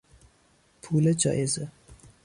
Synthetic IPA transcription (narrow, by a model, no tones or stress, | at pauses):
pʰuːled͡ʒɒ̰ːʔeze